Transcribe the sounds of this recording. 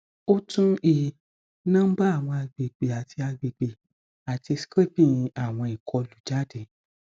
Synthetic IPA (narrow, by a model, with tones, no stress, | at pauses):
o˦tũ˦i˨ | nãː˦m̩˦ba˦a˦˨w̃ɔ̃˧a˧ɡ͡be˨ɡ͡be˨a˨ti˧a˧ɡ͡be˨ɡ͡be˨ | a˨ti˧skɾe˦˨pĩ˦˨j̃ĩ˧a˦˨w̃ɔ̃˧i˨kʰɔ˧lu˨d͡ʒa˨˦˨de˨